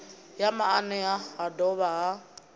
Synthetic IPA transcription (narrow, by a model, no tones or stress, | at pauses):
jamaanɛaadɔβa